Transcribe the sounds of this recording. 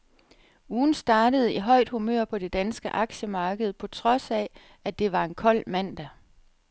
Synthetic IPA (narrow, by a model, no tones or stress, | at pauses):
uːn̩sd̥ɑ̈ːɾ̥əð̞̩ˠiɦɒ̽ɪ̰d̥humø̰ɐ̰pʰɒ̽d̥e̝d̥ænsɡ̥əʔɑ̈ɡ̥ɕəmɑ̈ːɡ̥əð̞̩ˠpʰɒ̽t͡sʰʁɒ̽sɛ | æd̥e̝ʋɑ̈e̝nkʰɒ̽l̰mæn̰d̥æ